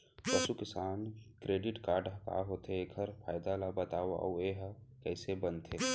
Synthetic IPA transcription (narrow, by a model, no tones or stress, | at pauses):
pəsukɪsaːnkɾeːɖɪʈkaːɾɖəɦka̰ɦoːt̪ʰeɡʰʱəɾpʰaːɪd̪alabət̪aːwa̰ʔo̰eɦkɛːsebənt̪ʰeː